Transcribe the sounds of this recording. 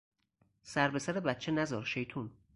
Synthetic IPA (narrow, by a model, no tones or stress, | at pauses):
sæɾbe̞sæɾebæt̪̚t͡ʃʰenæzɒːɾʃe̞jt̪ʰun